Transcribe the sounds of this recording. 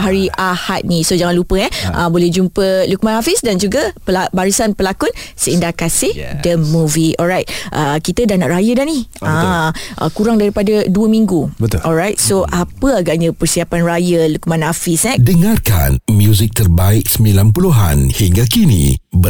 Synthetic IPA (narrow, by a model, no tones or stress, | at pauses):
ɦaɾiʔahat̪̚nisod͡ʒaŋanlupəɛʔə̰bolɛhd͡ʒumpəluk̚mãnafisdand͡ʒuɡapəlabaɾisanpəlakʊnsəindakasɪhdəmuviɔlɹajt̪̚ʔəkit̪ədahnaʔrajədaniãʔə̰kuɾaŋdaɾipadəduəmĩŋɡubət̪ɔlɾajt̪̚soʔapəaɡaʔɲãpərsiapanrajəlukmãnafisɛdəŋarka̰nmjuzik̚t̪ərbaɪk̚səmbilanpuluɦa̰nhiŋɡakinḭbə